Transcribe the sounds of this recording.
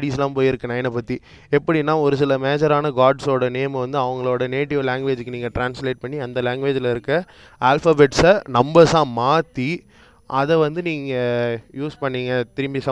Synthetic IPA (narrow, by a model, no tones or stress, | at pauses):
ɽiːsɪlãːmpoːjɪɾɯkːɯnɐjɐnɐpɐt̪ːi | ɛpːɐɽinːãːɔɾɯsɪlɐmeːd͡ʒɐɾaːnɐɡaːɖsoːɽɐnejɐmɐʋɐnd̪ɯɐʋɐŋɡɐɭoːɽɐneːʈɪʋlɛːŋɡʋeːd͡ʒɯkːɯniːŋɡɐʈɾaːnsleːʈ̚pɐɳːiɐnd̪ɐleːŋɡʋeːd͡ʒɪlɐɪɾɯkːɯ | aːlfɐbeʈsnɐmbɐɾsãːmaːt̪ːi | ʔɐðɛʋɐnd̪ɯniːŋɡɐjuːspɐɳːiːŋɡɐt̪ɪɾɯmbisɐ